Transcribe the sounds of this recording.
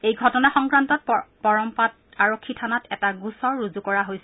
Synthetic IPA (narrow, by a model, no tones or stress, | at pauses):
ejɡʱɔtɔnaxɔŋkɹantɔt̚pɔɹɔmpat | aɹokʰːitʰanatɛtaɡusɔɹɹuzukɔɹaɦojsɛ